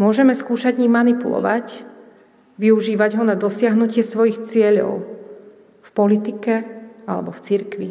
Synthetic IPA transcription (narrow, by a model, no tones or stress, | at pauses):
mʊɔʒɛmɛskuːʃaɟɲiːmanipulɔ̰ʋac | ʋiuʒiːʋaɟɦɔnad̪ɔsɪaɦnucɪɛsʋɔjixt͡sɪɛʎɔ̰ʊ | fpɔlit̪ikɛalɛ̰bɔft͡siɾkʋi